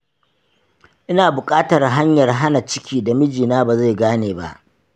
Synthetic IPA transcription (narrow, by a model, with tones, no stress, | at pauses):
ʔɪ˦naː˨bʊ˨kʼaː˦tɐ˨rɦa˦ɲjɐ˨rɦa˦na˨t͡ʃɪ˦kʲiː˦da˨mɪ˦d͡ʒiː˨naː˦ba˨za˦˨jɡaː˦neː˨ba̰˦ʔ